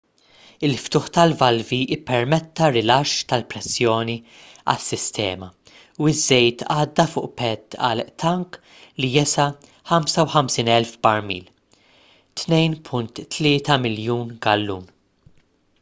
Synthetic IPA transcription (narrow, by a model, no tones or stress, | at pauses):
ɪlft̪ʊːħt̪ɐlvɐlviʔɪpːɛɾmɛt̪ːɐɾɪlɐʃːt̪ɐlpɾɛsːjɔːni | ɐ̰sːɪst̪ɛ̰ːmɐ | uɪzːɛjt̪ʰɐːd̪ːɐfʊːʔpɛt̪ːɐ̰lʔt̪ʰɐŋk | lijɛsɐ | ħɐmsɐwħɐmsiːnɛlfbɐɾmḭːl | t̪nɛjnpʰʊnt̪ːlɪːt̪ɐmɪljuːnɡɐlːuːn